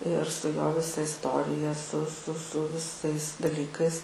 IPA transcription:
ɪr stɐɪˈɡɐ ˈʋʲɪsɐ ɪsˈtoːrʲɪjɛ sʊ sʊ sʊ ʋʲɪˈsɐɪs dɐˈlʲiːkɐɪs

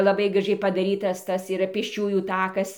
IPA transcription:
lˠɐˈbɐɪ ɡrɐˈʒʲɛɪ pɐdɐˈrʲiːtɐs ˈtɐs iːˈrɐ pʲeːsʲˈt͡ʃʲuːjuː ˈtɑːkɐs

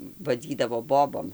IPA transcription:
ʋɐˈd͡zʲiːdɐʋoː ˈboːboːm

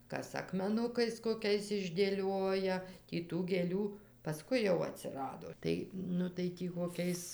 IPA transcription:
ˈkɐs ɐkmʲɛˈnʊkɐɪs koːˈkʲɛɪs ɪʒʲdʲeːˈlʲoːjɛ tʲiː ˈtuː ɡʲeːˈlʲuː pɐˈskʊɪ jɛʊ ɐtʲsʲɪˈrɑːdoː ˈtɐɪ nʊ tɐɪ ˈtʲiː koːˈkʲɛɪs

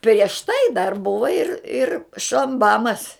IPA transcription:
pʲrʲiɛʃ ˈtɐɪ dɐr ˈbʊʋɐ ɪr ɪr ʃɐmˈbɑːmɐs

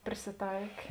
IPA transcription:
pʲrʲɪsʲɪˈtɐɪkʲeː

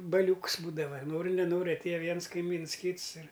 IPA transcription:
bɐˈlʲuːks ˈbuːdɐʋɐ ˈnoːrʲɪ nʲɛˈnoːrʲɪ ɐtʲˈeːjɛ ˈʋʲiɛns kɐɪˈmʲiːns ˈkʲiːts ɪr

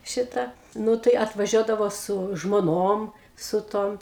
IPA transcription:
ˈʃʲɪtɐ ˈnʊ tɐɪ ɐtʋɐˈʒʲuɔdɐʋoː sʊ ʒmoːˈnoːm sʊ ˈtoːm

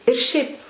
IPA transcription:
ɪr ˈʃʲɛɪp

